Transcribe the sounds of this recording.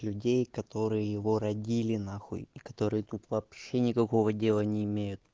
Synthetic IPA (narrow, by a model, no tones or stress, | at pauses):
lʲʉdʲejkɐt̪o̞ɾɨjəjɪvo̞ɾɐdʲilʲɪnaxṵjɪkɐ̥t̪o̞ɾɨjət̪ut̪vɐːpɕenʲɪkɐko̞vədʲe̞lˠənʲɪɪmʲejʊtt̪